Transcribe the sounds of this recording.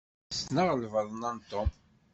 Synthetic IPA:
snəʁlvəðˤənant̪ːʊm

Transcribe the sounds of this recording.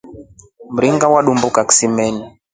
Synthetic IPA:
m̩ɾiŋɡawaɗumbukaki̥simɛni

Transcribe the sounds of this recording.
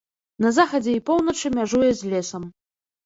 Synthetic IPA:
nɐzaxɐd͡zʲɛipownɐt͡ʂɨmʲaʐujɛzʲlʲesɐm

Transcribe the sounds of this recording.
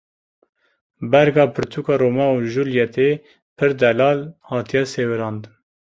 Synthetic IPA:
bɛɾɡɑːpʰɨɾt̪ʰuːkɑːɾoːmɑuʒuljɛt̪ʰe | pʰɨɾd̪ɛlɑːlhɑːt̪ʰijɛseːwɨɾɑːnd̪ɨn

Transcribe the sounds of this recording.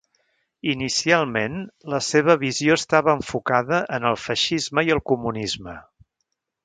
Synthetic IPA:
inisialˠmenləseβ̞əβizioəst̪aβəːɱfukaðəʔənəlˠfəʃizməiəlˠkumunizmə

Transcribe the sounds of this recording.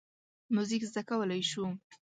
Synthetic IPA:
muzikzd̪akawəlajʃu

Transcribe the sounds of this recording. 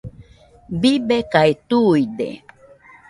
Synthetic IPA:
bibekaet̪ujd̪ḛ

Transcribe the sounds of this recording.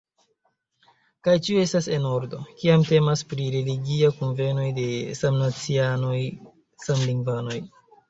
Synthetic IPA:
kajt͡ʃioe̞stase̞no̞ɾdo̞kiamte̞maspɾiɾe̞liɡiakonve̞no̞jde̞samnat͡sianoj | samliŋvano̞j

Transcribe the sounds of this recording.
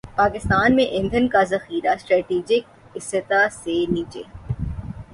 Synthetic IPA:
paːkɪst̪aːnmẽʔɪ̃nd̪ʱənkazɐxiːɾasʈɾɛːʈiːd͡ʒɪk̚ | ɪsɪt̪aseniːt͡ʃḛː

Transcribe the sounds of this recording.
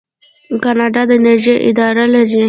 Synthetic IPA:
kɑnɑɖɑd̪əɪneɾʒeʔɪ̰d̪ɑɾalaɾi

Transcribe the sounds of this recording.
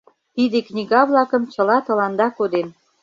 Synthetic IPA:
t̪id̪eknʲiɣɑβlɑkə̆mt͡ɕə̆lɑt̪ɤ̆lɑnd̪ɑkod̪en

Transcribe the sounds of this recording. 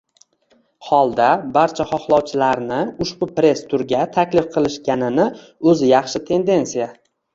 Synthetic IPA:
hɒlˠd̪abaɾt͡ʃʰaχɒχlˠɒwt͡ʃʰɪlaɾnɪʊʃbʊpɾe̞st̪ʰʊɾɡʲat̪ʰakʲlɪfqʰɨlˠɪʃɡʲanɪnɪ | ɵzɪjɑχʃɪt̪ʰe̞nd̪e̞nsija

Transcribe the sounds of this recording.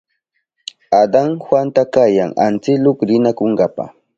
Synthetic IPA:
ad̪aŋxwant̪akajaŋa̰nt͡sɪlʊkɾɪnakoŋɡapa̰

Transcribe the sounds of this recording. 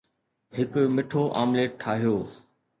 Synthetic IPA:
hɪkʊmɪʈʰoʔa̰ːmleːʈʈʰaːɦijoː

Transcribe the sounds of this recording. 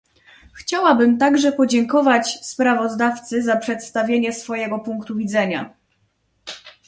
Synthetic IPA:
xt͡ɕawabɘmt̪aɡʐɛpɔd͡ʑɛŋkɔvat͡ɕspɾavɔzd̪aft̪sɘzapʂɛt̪st̪avʲjeɲɛsfɔjɛɡɔpuŋkt̪uvʲid̪zɛɲa̰

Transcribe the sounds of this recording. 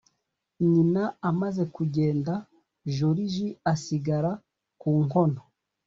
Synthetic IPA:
ɲinaamaze̞kuɟe̞ːnda | ʒoɾiʒiasiɡaɾa | kuːŋho̞no

